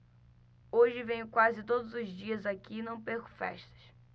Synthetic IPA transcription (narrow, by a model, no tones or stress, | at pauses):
oʒɪvẽj̃ʊkwazɪt̪od̪ʊzʊzd͡ʒiɐzakiːnɐ̃w̃peɾkʊ̥fɛ̰ʃt̪ɐ̥ʃ